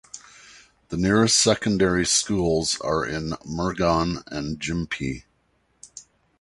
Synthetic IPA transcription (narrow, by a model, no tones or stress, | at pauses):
ðənɪɹɨstsɛkn̩dɛɹiskulˠzə̰˞ʔɪ̃nmə˞ɡɑ̃nɨ̃nd͡ʒɪ̃mpʰi